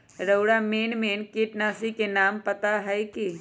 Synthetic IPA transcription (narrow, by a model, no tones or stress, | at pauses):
ɾəʊɽameːnmeːnkiːʈnaːsikenaːmpɐt̪aɦɛki